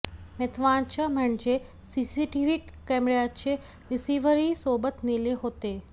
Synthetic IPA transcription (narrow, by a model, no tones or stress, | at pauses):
met̪ʋãːnt͡ʃaməɳd͡ʒe | sisiʈiʋikːemɾjat͡ʃʰe | ʋɪsiʋəɾisoːbət̪nileɦoːt̪eː